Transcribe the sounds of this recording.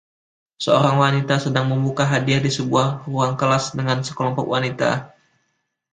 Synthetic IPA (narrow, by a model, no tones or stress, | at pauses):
səoɾaŋwanit̪asədaŋməmbukaɦadiadisəbuahruaŋkəlasdəŋansəkəlɔmpɔk̚wanit̪a̰